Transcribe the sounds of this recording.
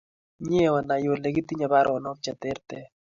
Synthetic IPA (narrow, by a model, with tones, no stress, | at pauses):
ɲe˦wa˨na˨jo˨le˨ɡi˦t̪i˦ɲa˨ba˦ɾʔɔ˨ɔ˨nɔ˦k̚t͡ʃa˨t̪ɛ˦ɾt̪ɛ˦